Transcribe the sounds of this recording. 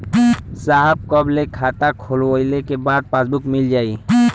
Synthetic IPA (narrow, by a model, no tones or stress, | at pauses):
saɦəb̚kɔblekʰat̪akʰolwojlekebad̪̚pasbukmild͡ʒaːi